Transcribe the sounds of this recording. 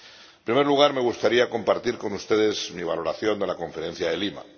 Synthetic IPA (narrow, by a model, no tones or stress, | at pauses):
epɾime̞ɾluɣ̞aɾme̞ɣust̪aɾiako̞mpaɾt̪iɾko̞nust̪e̞ðe̞zmiβ̞alo̞ɾaθjo̞nd̪e̞lako̞ɱfe̞ɾe̞n̟θjaðe̞lima̰